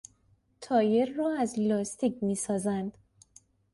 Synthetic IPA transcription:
t̪ʰɒːjeɾːɒːæzlɒːst̪icmiːsɒːzænd̪̥

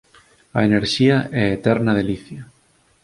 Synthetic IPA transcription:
a̰eneɾʃiaʔɛet̪ɛɾnað̞eliθja

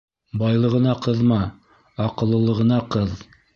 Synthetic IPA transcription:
bɑjlˠɤ̆ʁɤ̆nɑqɤðmɑ | ɑqɤ̆lˠːɤ̆lˠɤ̆ʁɤ̆nɑqɤð

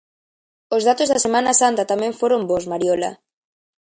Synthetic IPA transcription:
ozðat̪ozðasemãnasant̪at̪amɛ̃ɱfoɾombozmaɾjola̰

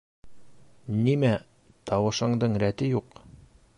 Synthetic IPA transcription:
nimæ | t̪ɑwɤ̆ʃɤ̆ɴd̪ɤɴɾæt̪ɘjuq

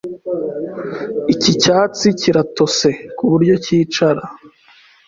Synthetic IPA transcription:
icicaːt͡siciɾato̞se̞kuβuɾɟo̞ciːt͡ʃaɾa

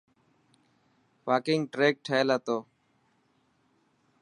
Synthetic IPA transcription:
paːkɪŋɡʈɾeːk̚ʈʰəelaːt̪oː

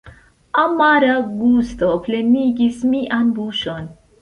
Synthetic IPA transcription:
ɐmːaɾɐɡuːst̪opʰleniɡismiʔanbuʃon

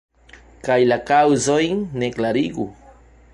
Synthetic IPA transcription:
kajlakawzoiŋneklaɾiɡu

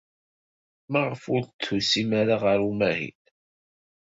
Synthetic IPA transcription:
məʁəfʊɾt͡s̪ːusimaɾaʁəɾumæhḭn

